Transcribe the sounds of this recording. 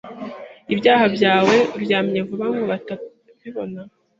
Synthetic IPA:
ibjaːɦabjaːwe̞ɾjaːmɲevuβamuβata | βiβo̞na

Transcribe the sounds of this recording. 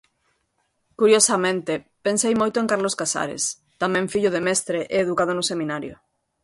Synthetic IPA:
kuɾjosamẽnt̪ɪpensejmojt̪ʊẽŋkaɾloskasa̰ɾḛs | t̪amɛ̃ɱfiʎʊðemɛst̪ɾeʔeːðukað̞onʊsemĩnaɾjʊ̰

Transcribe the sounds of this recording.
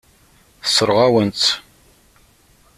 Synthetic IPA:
θsːəɾˤʁawənt̪

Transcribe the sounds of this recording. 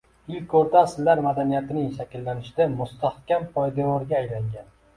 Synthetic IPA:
ɪlkʰʲoɾt̪ʰaːsɪlːaɾmad̪anijat̪ʰɪnɪŋʃakʲɪlːanɪʃɪd̪amʊst̪ʰahkʲampʰɒjd̪avɒɾɡʲaːjlaŋɡʲan

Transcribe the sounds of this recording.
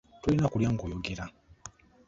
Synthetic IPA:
tulinakuljaŋɡojoɡeɾa

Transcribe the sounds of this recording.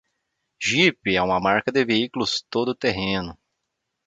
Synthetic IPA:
ʒipɪɛũmɐmaɾkɐd̪ɪveikulʊst̪od̪ʊt̪eɦẽnʊ

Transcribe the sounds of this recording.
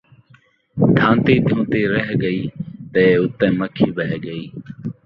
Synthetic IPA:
d̪ʱãːnt̪iːd̪ʱjõːt̪eːɾəɦɠəiːt̪eːʊt̪ẽːməkʰiːbəɦɠəiː

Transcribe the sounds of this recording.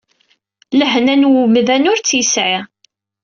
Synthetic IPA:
ləɦnænwuməðænʊɾt͡sːjəsʕi

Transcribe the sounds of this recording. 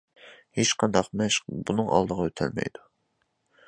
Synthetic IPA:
het͡ʃqʰɑnd̪ɑqmɛʃbunɨŋʔɑ̰lˠd̪əʁɑøt̪ʰæ̰lmɛ̰jd̪u

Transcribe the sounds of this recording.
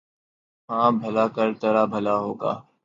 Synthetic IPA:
ɦãːbʱəlaːkəɾt̪əɾaːbʱəlaːɦoːɡa̰ː

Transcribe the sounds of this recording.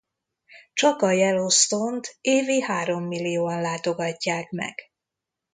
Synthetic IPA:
t͡ʃɒkɒjɛlost̪ont̪eːveːhaːɾo̞mːilːijoːɒnlaːt̪o̞ɡɒcːaːkmɛ̰ɡ̥

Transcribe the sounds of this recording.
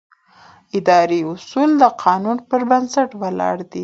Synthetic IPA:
ɪd̪ɑɾiʊsuld̪əqʰɑnunpəɾbansaʈwalɑ̰ɽd̪i

